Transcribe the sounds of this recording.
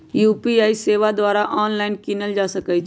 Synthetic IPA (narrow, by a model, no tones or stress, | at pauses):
juːpiaiseːʋad̪ʋaːɾaʔɔːnlaɪnkinəld͡ʒasəkɛjt͡ʃʰ